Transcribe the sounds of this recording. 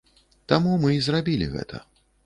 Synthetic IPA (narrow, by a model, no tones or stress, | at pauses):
t̪amumɨizrabʲilʲḭɣɛ̰t̪ʰɐ̰